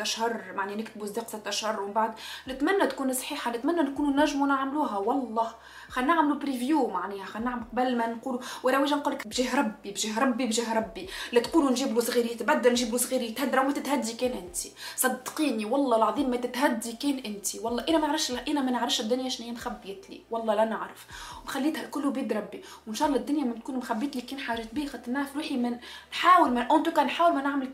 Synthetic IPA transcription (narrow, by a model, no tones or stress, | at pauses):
t̪æʃhɑrˤmaʕninɪkt̪ɪbuzːiːqsˤɑt̪ːæʃhɑrˤmɪmbaʕd̪nɪt̪mænːæt̪kuːnsˤħiːħɑnɪt̪mænːænkuːnunæʒːmunaʕmluːɦæwɑlˤːɑː | xænːaʕmlupɾivjuːmaʕniːhxænːaʕmlqɑbælmænquːluwʔæɾæweːʒænquːlːɪkbʒiːɦɾˤɑbːibʒiːɦɾˤɑbːibʒiːɦɾˤɑbːilit̪quːlunʒiːblusˤɣiːɾijt̪bæd̪ːælnʒiːblusˤɣiːɾit̪hæd̪ːɾawmæt̪ɪt̪hæd̪ːikɛːnʔɪnt̪isˤɑd̪ːqiːniwɑlˤːɑlʕɑðˤiːmːæt̪ɪt̪ɦæd̪ːikɛːnʔɪnt̪iwɑlˤːɑːʔɪnæmænʕɾˤɑfʃlʔɪnæmænəʕɾˤɑfʃhd̪ːʊnjaʔɪʃniinxæbːjit̪lḭwɑlˤːɑːlænɪʕɾˤɑfwnxælːiːt̪hælkʊlːubiːd̪ɾˤɑbːi | wɪnʃɑːlˤːɑd̪ːʊnjamænt̪̚kuːnmxæbːiːt̪likiːnħaːʒeːt̪̚biːxɑt̪ːnaʕɾɑfɾuːħimænħaːwɪlmæʔʊnt̪ukænħaːwɪlmænɪʕmɪl